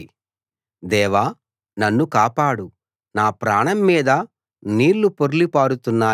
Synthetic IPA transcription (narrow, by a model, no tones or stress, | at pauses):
d̪ɛːʋaː | nɐnːukaːpaːɽu | naːpɾaːɳɐmːiːd̪ɐ | niːɾlupoɾulipaːɾut̪unːaː